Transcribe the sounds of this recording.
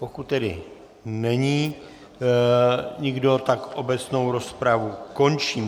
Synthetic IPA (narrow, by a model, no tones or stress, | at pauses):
po̞kut̪̚t̪ːɛdɪ̰ | nɛɲiː | ɲɪɡdo̞t̪akʔo̞bɛt͡sno̞wɾo̞spɾavuko̞nt͡ʃiːm